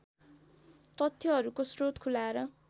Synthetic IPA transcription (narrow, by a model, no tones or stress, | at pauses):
t̪ʌt̪ʰjʌɦʌɾukosrot̪kʰulaeɾʌ